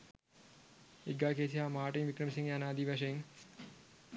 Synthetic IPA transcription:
eɡaːkeːsiɦaːmaːʈiŋʋikɾɐmisiŋjanaːd̪iːʋɐʃɐjiŋ

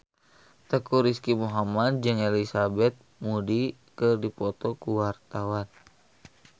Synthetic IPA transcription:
t̪əkuɾiskimuɦamadd͡ʒɨŋɛlisabɛt̪̚mudikɨrdipɔt̪ɔkuwart̪awan

